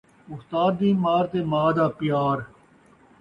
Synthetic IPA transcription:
ʊst̪aːd̪ːiːmaːɾt̪eːmaːd̪aːpjaːɾ

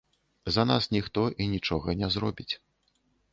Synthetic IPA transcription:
zɐnasnʲixt̪ɔʔinʲit͡ʂɔɣɐnʲɛzɾɔbʲit͡sʲ

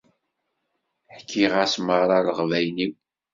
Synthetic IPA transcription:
ħkʰːiʁsməɾˤɑləʁvæjniw

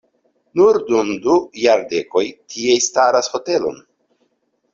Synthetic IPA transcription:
nuɾdumdujaɾde̞ko̞jtʰiejstaɾasho̞te̞lo̞̰n

